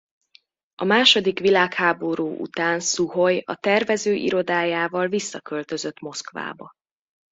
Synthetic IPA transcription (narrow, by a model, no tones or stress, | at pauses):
ɒmaːʃo̞d̪ikʋilaːkhaːbo̞ɾuːʔṵt̪aːnsuɦo̞jɒ̰t̪ɛrvɛzøːʔḭɾo̞d̪aːjaːvɒlvisːɒkø̞lt̪ø̞zø̞t̪mo̞skva̰ːbɒ